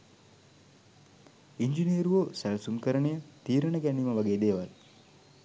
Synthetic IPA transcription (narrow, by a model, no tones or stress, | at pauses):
iɲd͡ʒiniəɾuʋosælsuŋkəɾəɳejət̪iːɾəɳəɡæniːməʋaɡeːd̪eːʋal